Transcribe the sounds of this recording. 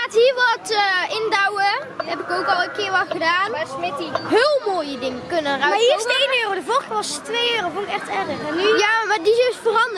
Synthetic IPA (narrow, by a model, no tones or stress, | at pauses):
aːtɦiːɹʋɑtːɪndawə | ɛpɪkowkɑlˠəkɪːɹʋɑtɣədaːnsmɪtiɦeːlˠmoːjədɪŋəkønənraiːsejøːrodəvoʋɑstʋejøːrofonɪkɛxtɛrəxyjamadisøsfərɑnd